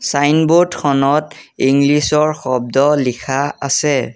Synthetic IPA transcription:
sajnbodkʰɔnɔtiŋɡlisɔɹxɔb̚dɔlikʰaasɛ

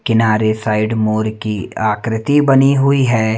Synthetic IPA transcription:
kɪnaːɾesaːɪɖmoːɾkiaːkɾɪt̪ibɐniɦʊiɦɛː

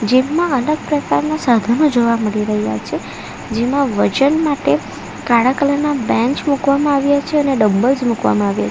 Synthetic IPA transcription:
d͡ʒemãələɡ̚pɾəkaɾnasad̪ʱənõd͡ʒoʋaməɭiɾəɦja̰t͡ʃʰe | d͡ʒemãʋəd͡ʒənmaʈe | kaɽakələnabɛ̃ɲt͡ʃmukʋamãaʋjat͡ʃʰeəneɖəbbəlzmukʋa̰mãaʋja̰t͡ʃe

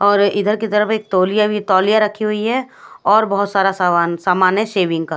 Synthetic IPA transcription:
ɔːɾɪd̪ʱəɾkit̪ɐɾəfeːk̚t̪oːljait̪ɔːlijaɾɐkʰːiɦʊiɦɛ | ɔːɾbɐɦʊt̪saːɾassaːmaːnɛʃeːʋɪ̃ŋɡ̚ka

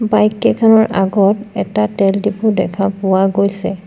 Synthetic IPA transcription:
bajkːɛkʰanɔɹʔa̰ɡɔtɛtatɛldipudɛkʰapʊwaɡojsɛ

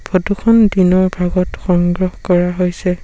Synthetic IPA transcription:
b̥ʱɔtukʰɔndinɔɹbʱaɡɔtxɔŋɡɹɔhkɔɹaɦojsɛ

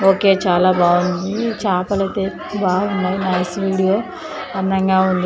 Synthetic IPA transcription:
oːke̞ːt͡ʃaːlaːbaːund̪it͡ʃaːpɐlɐt̪e̞ː | baːunːaːjinɐjsʋiːɽijoː | ɐnd̪ɐŋɡaːund̪i

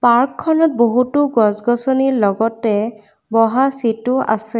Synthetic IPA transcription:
paɹkʰːɔnɔt̚boɦutʊɡɔsɡɔsɔniɹlɔɡɔtɛ | bɔɦasitʊʔa̰sɛ

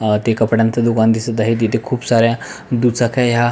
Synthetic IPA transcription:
t̪ekəpɽãnt̪əd̪ukand̪isət̪aɦit̪et̪ekʰuːpsaɾjãd̪ut͡sakʰaja

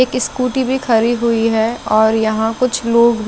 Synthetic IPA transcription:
eːkskuːʈibʱixʰɐɾiɦʊiɦɛɔːɾjɐɦãkʊt͡ʃʰloːɡb

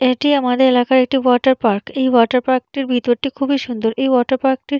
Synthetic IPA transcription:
eʈiamad̪eɾelakaɾek̚ʈiwɔʈaɾpaɾkejwɔʈaɾpaɾk̚ʈiɾbʱit̪oɾʈikʰubiʃund̪oɾʔejwɔʈaɾpaɾk̚ʈiɾ

